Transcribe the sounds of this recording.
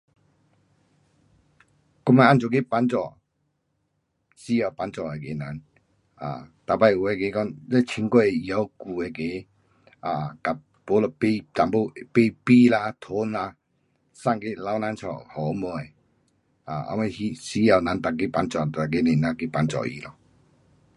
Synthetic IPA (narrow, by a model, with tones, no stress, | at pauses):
kɔ˦ma˧˦ʔa˧˨nt͡ʃɔ˨ke˦˨pa˧˦nt͡sɔ˨ | si˦ja˨wpa˧˦nt͡sɔ˨e˨ke˨˦na˨˦n | a̰˨t̪a˨pa˧ju˨˧ɛ˧˨ke˨˧˦kɔ˧˨ŋlɛ˦˧˨t͡ɕʰi˧˦ŋkɔ˧˨ja˧˦wku˨e˨˧˨ke˨˦ | a˨ka˨ | po˨˦lɔ˧˨pe˧t̪a˨mbo˦˧˨pe˧pi˦˨la˧t̪ʰo˨˦nla˧ | sa˥˧˨ŋke˦la˧˦wna˧˦nt͡ʃʰɔ̰˨hɔ˨˦mɔ˧˦ɛ˨ | a˨a̰˧˦ma˧hi˧si˦ja˧˨wna˨˦nt̪a˨ke˦pa˧˦nt͡sɔ˨t̪a˨ke˦ne˨na˧˨ke˦˧˨pa˧˦nt͡sɔ̰˨ḭ˨lɔ˧˨